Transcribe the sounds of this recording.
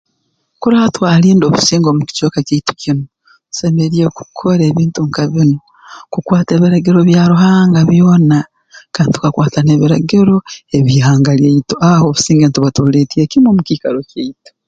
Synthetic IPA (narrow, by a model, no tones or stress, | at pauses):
kuɾatwaːliːndo̞ːβusiːŋɡo̞ːmuki̥coːkaceitu̥kʰino | u̥semeɾieku̥kʰoɾe̞ːβiːntuŋkaβino | kukwaːte̞ːβiɾaɡiɾo̞βjaɾuɦaːŋɡaβjo̞ːna | kaːntu̥kakwaːtane̞βiɾaɡiɾo̞e̞βiɦaːŋɡaljeitoaho̞ːβusiːŋɡeːntuβatuletiekimwoːmukikaɾoceito̥